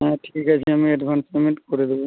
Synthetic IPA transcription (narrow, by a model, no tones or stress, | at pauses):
ɦɛ̃ʈʰi̥kikat͡ɕʰiamieɖbʱansmemiʈkoɾed̪ebo